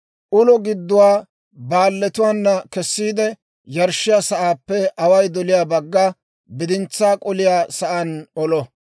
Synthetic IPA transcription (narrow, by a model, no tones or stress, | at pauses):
ʔʊlɔɡɪd̪ːʊwaː | baːlːɛt̪ʊwaːnːɐkɛsːiːd̪ɛ | jɐɾʃɪjaːsɐʔaːpːɛɐwɐjd̪ɔlɪjaːbɐɡːa | bɪd̪ɪnt͡sːaːkʼʊlɪjaːsɐʔɐnɔlɔ